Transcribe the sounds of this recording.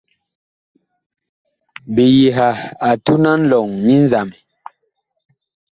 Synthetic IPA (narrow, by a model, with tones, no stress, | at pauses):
bi˨ji˨ɦa˨a˨tu˦na˦n̩˦lɔ˨ŋmi˦n˦za˨m˨